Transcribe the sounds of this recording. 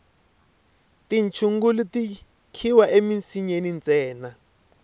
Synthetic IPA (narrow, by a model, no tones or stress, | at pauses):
tint͡ʃʰuŋɡuluti | kʰiwaʔeminsiɲenint͡sʼɛːna